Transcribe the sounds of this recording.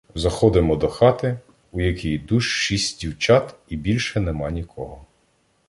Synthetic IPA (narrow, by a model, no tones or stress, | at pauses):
zɐxɔd̪ɪmɔd̪ɔxɑt̪ɪ | ujɐkʲijd̪uʃʃisʲtʲdʲiwt͡ʃɑt̪ibʲilʲʃɛnɛmɑnʲikʰɔɦɔ